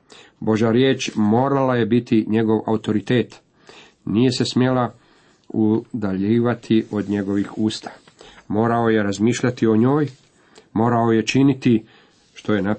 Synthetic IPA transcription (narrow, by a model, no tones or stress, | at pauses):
bo̞ʒaɾje̞ːt͡ʃmo̞ːɾalaje̞bit̪iɲe̞ɡo̞ʋa̰ut̪o̞ɾit̪e̞ːt̪ | nije̞se̞smje̞la | ud̪aʎiːʋat̪ʰiʔo̞d̪ɲe̞ɡo̞ʋixuːst̪ʰḁ | mo̞ːɾao̞je̞ɾazmiːʃʎat̪io̞ɲo̞ːj | mo̞ːɾao̞je̞t͡ʃinit̪i | ʃt̪o̞jena